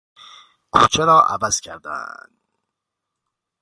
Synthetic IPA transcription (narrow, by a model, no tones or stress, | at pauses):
kʰuːt͡ʃʰeɾɒːʔæ̰væz̥cʰæɾd̪æ̰nd̪